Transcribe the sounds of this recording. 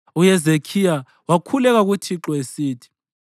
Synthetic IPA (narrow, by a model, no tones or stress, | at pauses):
ujɛzekʰija | wakʰulɛk̬ak̬utʰiǁɔesiːtʰi̥